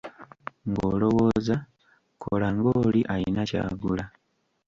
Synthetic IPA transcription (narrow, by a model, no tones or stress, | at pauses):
ŋɡo̰ːlo̞wo̞ːza | kʰolaŋɡoːliʔajinaca̰ːɡula